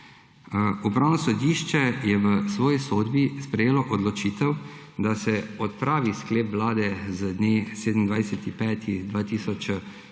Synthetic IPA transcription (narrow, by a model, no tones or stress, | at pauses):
upɾaːwnɔsɔd̪iːʃt͡ʃɛjɛʋəsʋɔːjisoːd̪bispɾɛjeːlɔʔɔd̪lɔt͡ʃiːt̪ɛw | d̪asɛɔt̪̚pɾaːʋiskleːpʋlaːd̪ɛzəd̪neseːd̪əm̩nd̪ʋajsɛt̪ipɛːt̪ʰid̪ʋaːt̪iːsɔt͡ʃ